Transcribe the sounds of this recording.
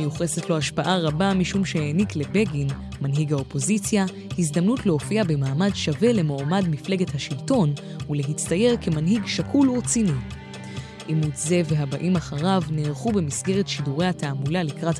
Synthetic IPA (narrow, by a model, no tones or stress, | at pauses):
ejuχesetlo̞aʃpaʔaʁabamiʃumʃejeniklebe̞ɡin | manɦiɡhaopo̞zit͡sja | hizdamnutle̞o̞fiabe̞maːmadʃave̞le̞moamadmifle̞ɡe̞thaʃilto̞n | ule̞ɦit͡staje̞ʁke̞manɦiɡʃakʰulot͡sini | ʔimutze̞ve̞ɦabaʔimaχaʁavneʁχube̞misɡe̞ʁetʃiduʁejhatʰaːmulalikʁat